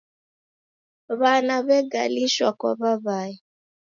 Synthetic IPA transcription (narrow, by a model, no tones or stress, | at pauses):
βanaβɛɡa̰liʃɔkɔ̰βaβai